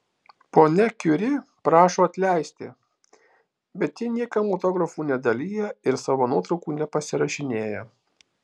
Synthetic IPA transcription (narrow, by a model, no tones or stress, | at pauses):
poːnʲɛkʲʊɾʲɪ | pɾɑːʃoːɐt̪ʲlʲæˑɪsʲt̪ʲɪ̰ | bʲɛt̪ʲjɪnʲiɛkɐmoːt̪oːɡɾɐfuːnʲɛd̪ɐlʲiːjɛɪɾsɑːʋoːnuɔt̪ɾɒʊkuːnʲɛpɐsʲɪɾɐʃʲɪnʲeːjɛ